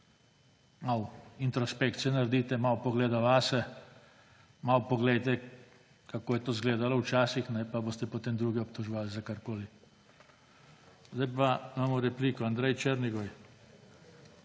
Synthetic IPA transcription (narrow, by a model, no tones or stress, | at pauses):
mawint̪ɾɔspekt̪sijɛnaɾd̪iːt̪ɛmawpɔɡleːd̪aʋasɛ | mawpɔɡlɛjt̪ɛ | kakoːjɛt̪oːzɡleːd̪alɔwt͡ʃaːsixnɛpaboːst̪ɛpot̪eːmd̪ɾuːɡɛɔpt̪ɔʒɔʋaːlzakaɾkoːli | zd̪ajpamaːmɔɾɛpliːkɔand̪ɾɛjt͡ʃeɾniɡɔj